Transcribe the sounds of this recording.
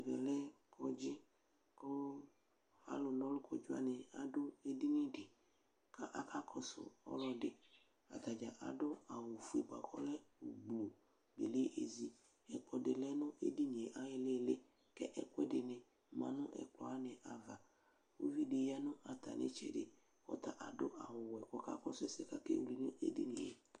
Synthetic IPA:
vɛ˨lɛ˦kʰɔ˨d͡ʒɪ˦ | kʊ˦ | a̰˦lʊ˨nɔ̃˦lʊ˦kʰɔ˨d͡ʒʊ˦a̰˦nɪ˨a˨dʊ˦e˦di˦nɪ̃˦dɪ˨ | kʰa˦ʔa˦ka˦kʰɔ˨sʊ̰˨ɔ̰˦lɔ˦dɪ˨ | a̰˨t̪a˨d͡ʒa˨ʔa̰˨dʊ˦a˨wʊ˨fu˦e˨ɡ͡ba̰˨kʰɔ̰˦lɛ˦o˨ɡ͡blo˨ | bḛ˨le˦ʔe˨zi˨ | ɛ˨k͡pɔ˨dɪ˨lɛ˦nʊ̃˦ʔḛ˦di˦ɲ˨e˨ʔa˦jɪ˦le˦˨lɪ˦ | kɛ˦ʔɛ˦kwɛ˦dɪ˨nɪ̃˨ | mã̰˨nʊ̃˦ʔɛ̰˨k͡plɔ˨a˦nɪ̃˨ʔa˨va˨ | wo̰˦vi˦dɪ˨ja˦nʊ̃˦a˨t̪a̰˨nʔɪ̰˦t͡ʃɛ̰˨dɪ̰˨ | ɔ̰˦t̪a˨ʔa˨dʊ˦ʔa˨wʊ˨wɛ˨kɔ˨ka̰˦kɔ˦sʊ˦ɛ˦sɪ˨ka˦kḛ˦˨wu˨li˨ɲ˦o˦ʔḛ˦dḭ˦nɪ̰̃˨ḛ˨

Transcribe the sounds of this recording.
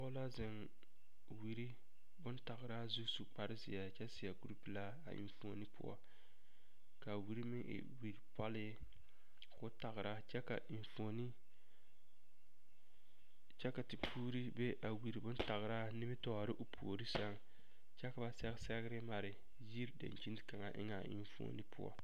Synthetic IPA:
ɔ˦la˦zɪ˨ŋ | wi˨ɾi˦ | bʊ˦nta˨ɣɪ˨ɾa˦zu˦su˦k͡pa˦ɾɪ˦zɪ˨a˨t͡ʃɛ˦sɪ˨a˨ɡu˦ɾu˦pla˦a̰˨ʔḭ˨ɱfo˨ni˦pʊ̰˦ɔ̰˨ | ka˨wi˨ɾi˦mɪ˦ŋʔɪ̰˨wi˨ɾpɔ˦lɪ˦ | kʊ˦ta˨ɣɪ˨ɾa˦t͡ʃɛ˦ka̰˨i˨fo˨ni˦ | t͡ʃɛ˦ka˨ti˨pʰuː˦ɾi˦be˦ʔa˨wi˨ɾi˨bʊ˦nta˨ɣɪ˨ɾa˦nɪ˦mɪ˦tɔ˦˨a˨ɾɪ˦ʔʊ˨pʰu˨o˨ɾi˦sa˦ŋ | t͡ʃɛ˦ka˨ba˨sɛ˦ɣɪ˦sɛ˦ɣɪ˦ɾɪ˦ma˨ɾɪ˨ | ji˦ɾda̰˨nt͡ʃi˦ntka˨ŋa˨ʔɪ̰˦ŋa˨ʔɪ̰˨ɱfo̰˦ni˦pʊ̰˦ɔ̰˦

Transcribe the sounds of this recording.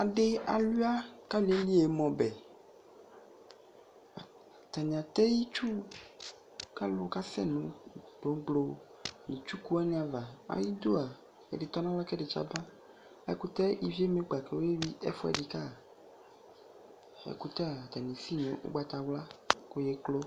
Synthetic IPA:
a˨ɖe˦a˨lu˦a˦ka˦li˨e˦li˦e˨mɔ̃˨bɛ˨ | a˨ | t̪a˨ɲ̃˨ã˨t̪ɛ˦ji˦t͡ʃu˦ | ka˦lo˦ka˦sɛ̰˦nũ˨ɖo˨˦ɡ͡blo˦˨ | nĩ˨t͡ʃu˦ku˦a˦nẽ˦a˨va˨a̰˨˦ji˦d̪o˦a˨ | ḛ˨de˨t̪ɔ˦nã˦wla˦kɛ˦de˨t͡ʃa̰˦bã˦ | ɛ̰˦ku˦t̪ɛ˦i˨vi˦e˦me˦ɡ͡ba˨kɛ˨wo˦je˦vi˦ɛ̰˦fɛ̰˨de˨ka˦˨ | ɛ̰˨ku˦t̪ɛ˦a˨t̪a˨nẽ˨si˦ɲḛ̃˨ʔo̰˦ɡ͡ba˨t̪a˨wla˦ko˦je˦klo˦

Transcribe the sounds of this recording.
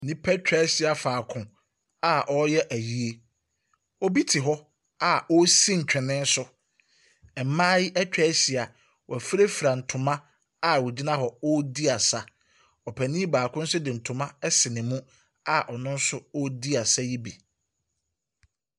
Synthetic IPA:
nĩ˦pʰɛ˦t͡ɕᶣɛ˦ɕi˨a˨faː˨kʰʊ̃˨ | a˦ʔɔ˦jɛ˦ʔæ˨ji˨e˦ | ɔ˦bi˦tʰɪ˨ɦɔ˦ | a˨ɔ˦si˦ɲ̩˨t͡ɕᶣɪ˨nɪ̃˦n˦sʊ˦ | ɛ˨m˨˦mãː˦ji˦ʔɛ˦t͡ɕᶣɛː˦si˨a˨ | wʔɔ˨æ˨fɾe˦fɾa˨n̩˨tʰʊ̃˨mã˦ | a˦˨wɔ˨d͡ʑi˦nã˦ɦɔ˨ɔ˦di˦a˨sa˦ | ɔ˨pʰæ˨nĩ˦baː˨kʰʊ̃˦n̩˦sʊ˦dɪ˨n̩˨tʰʊ̃˨mã˦ɛ˦sɪ˨nɪ̃˨mũ˦ | a˦ʔɔ˨nʊ̃˦n̩˦sʊ˦ɔ˦di˦a˨sa˦ji˦bi˨

